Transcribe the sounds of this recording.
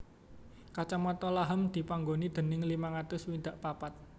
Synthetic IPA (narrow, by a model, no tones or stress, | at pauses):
kat͡ʃamat̪ɔlaɦəmd̪̥i̤paŋɡonid̪̥ə̤nɪŋlimaŋat̪ʊswind̪aʔpapat̪̚